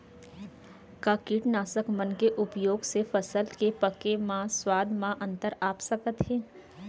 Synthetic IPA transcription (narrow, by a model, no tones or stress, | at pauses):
kaːkiːʈnaːsəkmənkeʔʊpjoːɡsefɐsəlkepɐkemãswaːd̪ʱmãʔɐ̃nt̪əɾaːpsəkət̪ɦɛ̃ː